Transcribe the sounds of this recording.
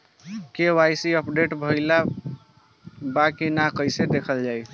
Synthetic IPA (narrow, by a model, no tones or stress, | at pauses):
kewajsiəpɖeʈbʱəla | bakinakəjsed̪ekʰəld͡ʒaj